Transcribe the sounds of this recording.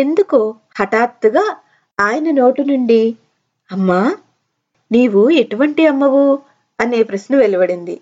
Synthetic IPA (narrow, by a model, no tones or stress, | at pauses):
e̞nd̪uku | hɐʈaːɾt̪ːuɡaː | aːjɐnɐno̞ːʈinuɳɖi | ɐmːaː | niːʋue̞ʈuʋɐɳʈiɐmːɐʋu | ɐne̞ːpɾɐsnɐʋelibɐɽind̪ḭ